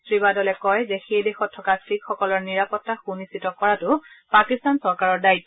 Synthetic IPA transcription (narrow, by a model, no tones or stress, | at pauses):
tɹibadɔlɛkɔjzɛxejdexɔtʰːɔkastɹikxɔkɔlɔɹniɹapɔtːaxunisitɔkɔɹatʊpakistansɔɹkaɹɔɹdaitːɔ